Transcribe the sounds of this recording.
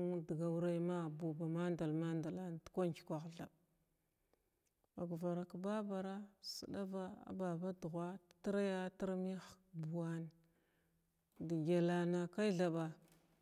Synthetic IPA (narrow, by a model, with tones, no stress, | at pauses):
dɡa˨wu˦ɾa˦ma˦bu˨ba˨ma˦nda˨lma˦nda˨la˦n˨tkʷa˦nki̥˨kʷa˨ɣɮa̰˨b | ba˨ɡva˨ɾa˨kba˦ba˨ɾa˦sə̰˨ɗa˦va˦a̰˨ba˨ba˦du˨ɣʷa˦ttɾa˦ja˦ta˦ɾmi˦xbu˨wa˦n˨ | di˨ɡa˨la˨na˨ka˦i˦ɮa˨ba˨